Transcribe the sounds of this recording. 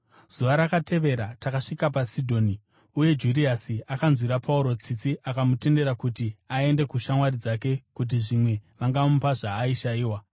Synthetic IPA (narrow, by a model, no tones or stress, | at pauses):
z̥uʋaɾakate̞ʋe̞ɾatakaʂikapasidʱo̞ːni | uje̞d͡ʒuriasiakanzwiɾapʰauɾo̞t͡sit͡siʔakamute̞nde̞ɾakutiae̞nde̞kuʃamwaɾid͡zake̞kut̬iʐimwe̞ʋaŋɡaupaʐaːiʃaiːwa